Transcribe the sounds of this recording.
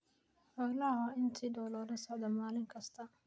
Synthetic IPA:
ħɔɡlɐɦaɪnt̪ʰiːɖɔwlɔːɾɐsɔʕd̪ɐmaːlɪŋkʰɐst̪ʰɐ

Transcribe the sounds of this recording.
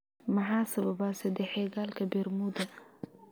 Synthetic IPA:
mɑħaːsɐβɐbasɛd̪ɛħɛːɣaːlkʰɐbɛrmud̪ɐ

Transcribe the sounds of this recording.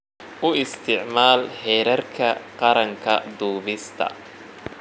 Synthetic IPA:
ʔʊɪst̪ʰɪʕmaːlħɛːɾɐrkʰɐqɑɾɐŋkʰɐ̰d̪uːβɪst̪ʰɐ̰

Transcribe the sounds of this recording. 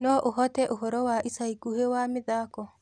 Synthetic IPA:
nɔʔoɦɔtɛʔoɦɔɾɔwaʔisaiɡuhewamɪðaːkɔ

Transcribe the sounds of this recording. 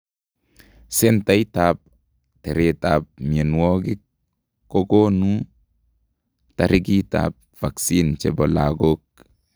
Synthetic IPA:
sentaitap̚ | teɾetap̚mienwoɡikː | oɡonu | taɾiɡita̰p̚faksint͡ʃebolaɡok̚

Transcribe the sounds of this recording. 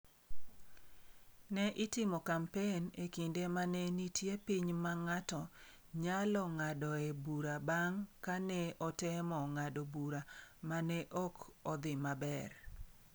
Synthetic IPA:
nɛʔɪtɪmɔkampenekindemanɛnitjepiɲmaŋatɔ | ɲalɔŋadɔebuɾabaŋkanɛɔtɛmɔŋadɔbuɾamanɛʔɔkɔd̪ɪmabɛr

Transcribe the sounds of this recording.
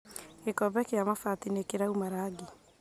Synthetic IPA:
ɡekɔbɛkeamafatinekeɾaumaɾaːɡe

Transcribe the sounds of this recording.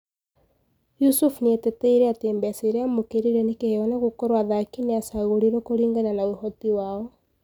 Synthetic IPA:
jusufnieteteiɾeatembɛaseɾeamokeɾiɾenekehewanaɣokɔɾwaðakineasaɣoɾiɾokoɾiːŋɡananaohɔtiwaːɔ

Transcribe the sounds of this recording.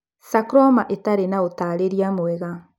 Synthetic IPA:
sakɾɔmaʔetaɾenaotaːɾeɾiamoɛɣa

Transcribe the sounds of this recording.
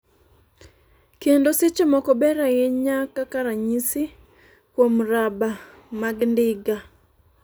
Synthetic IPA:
kendosɪt͡ʃemɔkɔbɛɾaeɲakakaɾaɲisɪ | kwomɾaba | maɡndɪɡa

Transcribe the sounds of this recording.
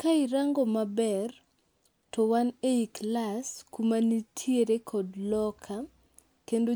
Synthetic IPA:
kaiɾaŋɡɔmabɛr | tɔwaneiklaskumanitʰieɾekʰɔdlɔkʰa | kendo

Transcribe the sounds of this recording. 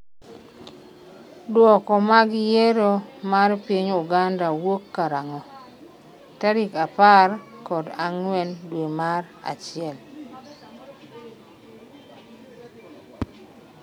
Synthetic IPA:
dwɔkɔmaɡɪjeɾomaɾpiɲuɡandawokːaɾaŋɔ | taɾikaparkɔdaŋwɛndwemaɾ | a̰t͡ʃɪɛl

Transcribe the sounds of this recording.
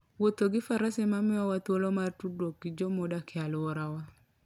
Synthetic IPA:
wot̪oɡɪfaɾasɛmamɪawat̪wolɔmartudwokːid͡ʒomɔdakɪalʊɔɾawa

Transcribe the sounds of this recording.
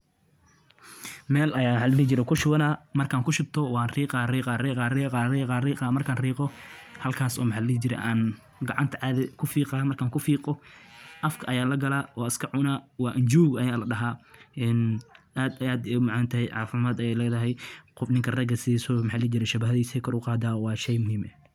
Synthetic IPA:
mɛːlʔɐjaːħalliːt͡ʃɪɾɛkʰʊʃʊɐnaːmɐrkʰaːŋkʰʊʃɪb̚t̪ʰɔwɑːnriːqɑːiːqɑriqaːriːqɑːiːqɑːriːqaːmɐrkʰaːnriːqɔhɐlkʰaːsɔ̰ːmħalɛt͡ʃɪɾɛ̰ʔaːn | ɡɑʕɑnt̪ʰɐʕaːðɛkʰʊfiːqɑːmɐrkʰaːŋkʰʊfiːqɔʔɐfkʰɐʔɐjaːlɐɡɐlaːwɔːɪskʰɐʕʊnaːwɑːʔɪɲd͡ʒuːɡɐjaːlɐɗɐɦaːʔɛnʔaːd̪aːd̪ɛʊmaʕant̪ʰɐhɛjʕɑ̰ːfɪmaːd̪ɐjɛjlɛːðɐɦɛjqɔfnɪŋkʰɐrɐɡɐsɪɛsɔːmħaːlɛːd͡ʒɪɾɛʃɐbɐɦɐðiːsɛkʰɔɾʊqɑːd̪aːwɑːʃɛjmʊhɦiːmɛ

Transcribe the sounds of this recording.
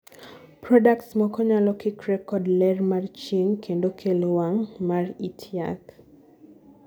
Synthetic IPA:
pɾɔdaktsmɔkɔɲalɔkɪkɾɛkɔdlɛrmart͡ʃiŋkʰendokʰelwaŋmaritʰja̰k

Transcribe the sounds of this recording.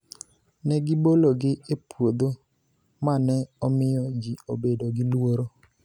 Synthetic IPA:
nɛɡɪboloɡɪepwod̪o | manɛɔmɪjɔd͡ʒiobedoɡɪlwoɾo

